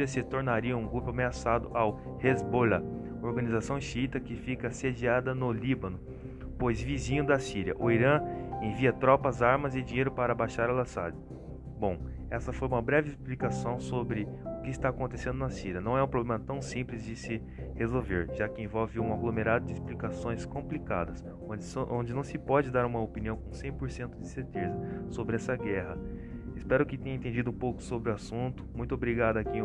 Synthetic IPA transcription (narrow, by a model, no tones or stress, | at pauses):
ɾiɐsɪt̪oɾnaɾiɐũɡɾupʊameasad̪ʊʔaw | hezbolɐ | oɾɡɐ̃nizasɐ̃w̃ʃiit̪ɐkɪfikɐsed͡ʒiad̪ɐnʊlibɐ̃nʊ | pojzvizĩɲʊd̪ɐsiɾiɐ̰ʔʊiɾɐ̃ẽviɐt̪ɾɔpɐzaɾmɐzɪd͡ʒĩɲejɾʊpaɾɐbaʃaɾɐlasa̰d͡ʒɪ | bõw̃ɛsɐfojũmɐbɾɛvɪɪsplikasɐ̃w̃sobɾɪʊkɪɪst̪aːkõnt̪esẽnd̪ʊnɐsiɾɐnɐ̃w̃ɛũpɾoblẽmɐt̪ɐ̃w̃sĩplɪzd͡ʒɪsɪ | hezowveɾʒakɪẽvɔwvɪũaɡlomeɾad̪ʊd͡ʒɪsplikasõj̃skõmplika̰d̪ɐs | ʔõnd͡ʒɪnɐ̃w̃sɪpɔd͡ʒɪd̪aɾũmɐopiniɐ̃w̃kõsẽj̃poɾsẽnt̪ʊd͡ʒɪseɾt̪ezɐsobɾɪɛsɐɡɛɦɐ | ɪspɛɾʊkɪt̪ẽj̃ɐẽt̪ẽd͡ʒid̪ʊũpowkʊ̥sobɾɪʊasũt̪ʊ̥mũj̃t̪ʊobɾiɡad̪ʊaki